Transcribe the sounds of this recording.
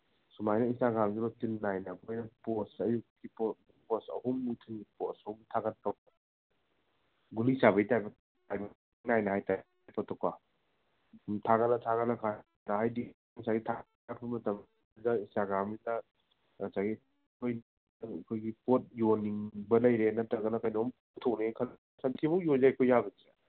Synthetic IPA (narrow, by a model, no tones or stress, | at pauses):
sumajnɐinsaɡamzibɐtilːajnɐkʰojnɐpɔsɐjukkipɔ | pɔsɐ̰humːutʰɯŋipɔtsɐhumtʰaɡɐntaw | ɡulisabɐjtajbɐ | tajb | najnɐɦajta | pɔtʰɔka | tʰaɡanɐtʰaɣanɐkʰa | nɐhajdi | saɡitʰa | apʰumɐtɐm | dɐisaɡamidɐ | asaɡi | kʰojn | kʰojɡipot̚joniŋbɐlɐjɾenɐtɐɡɐnɐkɐjnohumpotʰːɔk̚nekʰɐl | sɐntʰibuwjozajkʰojabɐzia